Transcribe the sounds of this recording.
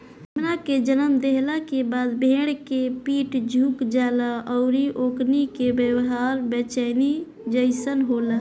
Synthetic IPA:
ɦəmnaked͡ʒənəmd̪eɦlakebaːd̪bʱeːɽkepiːʈd͡ʒʱuːkd͡ʒaːlaʔɔʊɾiʔoːknikebjəwɦaːɾbət͡ʃəni | d͡ʒəɪsənɦola

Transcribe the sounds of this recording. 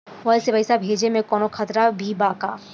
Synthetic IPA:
ʋɔlsebɐɪsabʱeːd͡ʒemẽkɔːnokʰɐt̪ɾabʱibaːkaː

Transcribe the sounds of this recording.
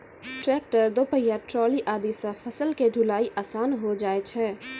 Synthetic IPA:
ʈɾɛːk̚ʈəɾd̪opəjaʈɾɔːliʔaːd̪isəpʰəsəlkeɖʱʊlaːiʔaːsaːnɦod͡ʒaːet͡ʃʰɛː

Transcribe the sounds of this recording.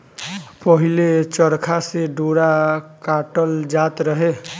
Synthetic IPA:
pəɦilet͡ʃəɾkʰaseɖoɾakaʈəld͡ʒat̪ɾəɦe

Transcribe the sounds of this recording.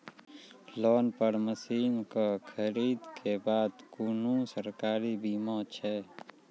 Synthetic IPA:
lɔːnpəɾməsiːnkakʰəɾiːd̪kʰebaːd̪kuːnũsəɾkaːɾibiːmat͡ʃʰɛː

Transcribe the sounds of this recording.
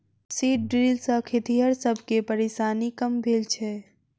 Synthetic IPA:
siʈ̚ɖɾilsə̃kʰet̪iɦəɾsəbʱkepəɾeʃaːnikəmbʱelt͡ʃʰɛ

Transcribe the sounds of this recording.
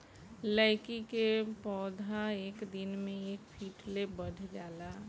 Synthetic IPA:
ləɪkikepɔːd̪ʱaeːkd̪ɪnmẽeːkpʰiːʈlebəɽ̤ʱd͡ʒaːla

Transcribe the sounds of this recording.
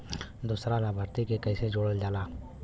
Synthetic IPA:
d̪uːsɾalabʱəɾt̪ikekəɪsed͡ʒoːɽəld͡ʒaːlaː

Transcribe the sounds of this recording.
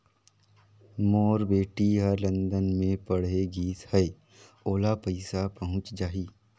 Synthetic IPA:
moːɾbeːʈiɦəɾlə̃nd̪ənmẽpɐɽ̤eɡiːshɛe | oːlapəɪsapəɦʊ̃t͡ʃd͡ʒaːiː

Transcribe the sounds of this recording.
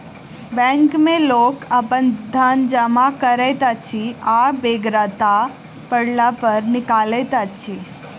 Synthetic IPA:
bɛ̃ŋkmẽloːkəpənd̪ʱənd͡ʒəmakəɾɛt̪at͡ʃʰiabeɡɾat̪a | pəɽlapəɾnɪkalet̪at͡ʃʰi

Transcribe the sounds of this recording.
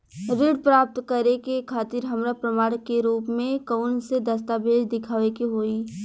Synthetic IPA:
ɾɪɽ̚pɾaːp̚t̪kəɾekekʰaːt̪ɪɾɦɐmɾapɾəmaːɽkeɾuːpmẽkəʊnsed̪ɐst̪abeːd͡ʒd̪ɪkʰaːʋekiɦoːi

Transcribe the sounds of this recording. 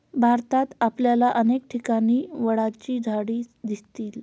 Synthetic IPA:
bʱaɾt̪at̪apljalaʔənek̚ʈʰikañiːʋəɽat͡ɕiːd͡zʱaɽiːd̪ist̪iːl

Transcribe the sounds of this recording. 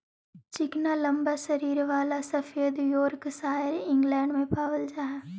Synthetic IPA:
t͡ʃɪknalɐ̃mbaʃɐɾiːɾʋaːlasɐfeːd̪joːɾksaːɪɾɪ̃ŋɡlɛ̃ːɳɖmẽpaːʋəld͡ʒaːɦɛː

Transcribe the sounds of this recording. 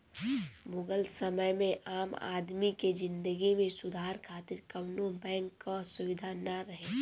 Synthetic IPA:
mʊɡəlsəməjmẽʔaːma̰ːd̪miked͡ʒɪ̃nd̪əɡimẽsʊd̪ʱaːɾkʰaːt̪ɪɾkəmnobɛ̃ːŋkːasʊʋɪd̪ʱanaɾəɦẽː

